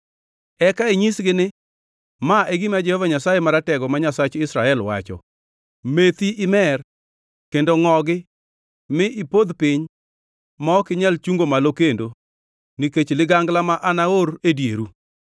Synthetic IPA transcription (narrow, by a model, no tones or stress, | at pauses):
ɛkaiɲisɡɪnɪ | maʔeɡɪmad͡ʒɛhɔvaɲasajemaɾatɛɡɔmaɲasat͡ʃɪsɾaɛlwa̰t͡ʃɔ̰ | met̪iʔɪmɛr | kendoŋɔɡɪ | mɪʔipod̪pɪɲ | mɔːkɪɲɛlt͡ʃuŋɡomalokendo | niket͡ʃlɪɡaŋɡlamaʔanaoɾedjḛɾu